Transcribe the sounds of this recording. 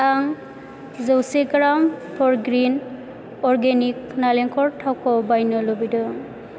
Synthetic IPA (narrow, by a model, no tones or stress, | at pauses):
aŋ | zɔwseɡɾampʰɔɹɡɾin | ɔɾɡenik̚naleŋkʰɔɹtʰawkɔbajnɔlɔbidɔ